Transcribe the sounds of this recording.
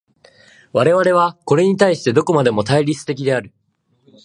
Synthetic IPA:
βaɾe̞β̞aɾe̞β̞ako̞ɾe̞ɲ̟it̪aiɕi̥t̪e̞d̪o̞ko̞mad̪e̞mo̞t̪aiɾʲit͡sɨ̥t̪e̞kʲid̪e̞aɾɯ̟

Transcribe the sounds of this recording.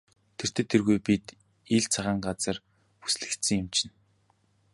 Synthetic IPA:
t̪ʰer̥t̪ʰeːt̪ʰːerɣujpit̪ | iɮt͡sʰaʁaːɴɢat͡sə̆r | pu̥sɮɘ̆kt̪sɘ̆ŋjɪmt͡ɕʰɪ̆n

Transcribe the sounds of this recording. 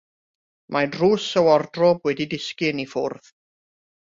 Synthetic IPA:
mʔadrusəwɔrdrɔbwɛdidɪskɪnifʊrð

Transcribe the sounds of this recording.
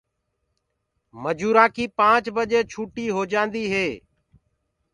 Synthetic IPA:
məd͡ʒuːɾãːkiːpãːt͡ʃbəd͡ʒeːt͡ʃʰuːʈiːɦoːd͡ʒãːnd̪iːɦeː

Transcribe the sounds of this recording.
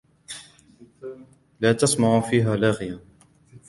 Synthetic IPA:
laːt̪ɑsˤmɑʕufiːɦaːlaɣɪja

